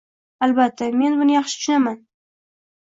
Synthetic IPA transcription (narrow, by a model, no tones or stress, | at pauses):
albat̪ʰːame̞nbʊnɪjɑχʃɪ̥tʊʃʊnaman